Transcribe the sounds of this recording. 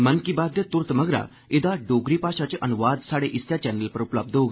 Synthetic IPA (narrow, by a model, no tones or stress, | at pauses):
mənkibad̪ʱjət̪uɾt̪məɡɾa̰ | ed̪aɖoɡɾiːpaɕat͡ɕeʔənuʋad̪saɽeʔist̪jat͡ɕɛnəlpəɾupləb̚d̪ʱoɡ